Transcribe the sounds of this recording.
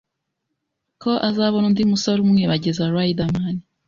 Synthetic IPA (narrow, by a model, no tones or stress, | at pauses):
ko̞ʔazaβonundimusaɾumŋeβaɟezaɾwaidamani